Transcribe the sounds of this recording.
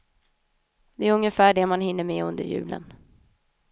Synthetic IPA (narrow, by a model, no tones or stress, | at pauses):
d̪ɛæɾɵŋːəfæːɖɛmanhɪnːəɾmɛːɵnd̪ə̰ɾjʉ̟̰ːlə̰n